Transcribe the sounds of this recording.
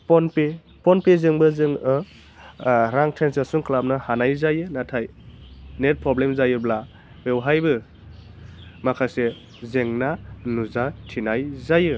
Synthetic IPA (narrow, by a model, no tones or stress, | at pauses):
pɔnpe | pɔnpezɯŋbɯzɯŋɯ | ɾaŋtʰensesuŋklap̚nahanajzajɯnatʰaj | net̚pɾɔblemzajɯbla | bewɦajbɯ | makʰase | zeŋnanuzatʰinajzajɯ